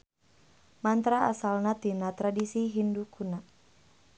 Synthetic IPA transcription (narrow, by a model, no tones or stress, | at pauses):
mant̪ɾaasalnat̪inat̪ɾadisiɦindukʰuna